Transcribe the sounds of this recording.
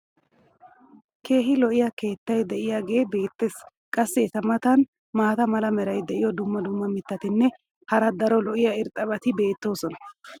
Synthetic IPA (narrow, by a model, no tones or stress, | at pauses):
kʰe̞ːɦɪlɔʔɪjɐke̞ːt̪ːɐjd̪ɛʔɪjaɡe̞ːbe̞ːt̪ːe̞ːs | kʼɐsːɛːt̪ɐmɐt̪ɐn | maːt̪ɐmɐlɐmɛɾɐjd̪ɛʔɪjɔd̪ʊmːɐd̪ʊmːɐmɪt̪ːɐt̪ɪnːɛ | hɐɾɐd̪ɐɾɔlɔʔɪjɐɪɾt̪ʼɐbɐt̪ɪbe̞ːt̪ːo̞ːsɔnɐ̥